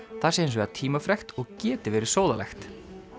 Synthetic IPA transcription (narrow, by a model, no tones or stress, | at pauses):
θasɛːens̬vɛat̪ʰiːmafɾɛxt̪ɔɣcɛːt̪ɪvɛːɾɪ̥sowða̰lɛ̰xt̪